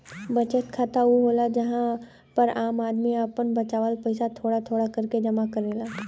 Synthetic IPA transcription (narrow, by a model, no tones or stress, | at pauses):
bɐt͡ʃət̪kʰat̪aɦuɦoːlad͡ʒɐɦã | pɐɾʔaːmaːd̪miəpənbɐt͡ʃaːʋaːlpəɪsat̪ʰoːɽat̪ʰoːɽakɐɾked͡ʒɐmakɐɾeːlaː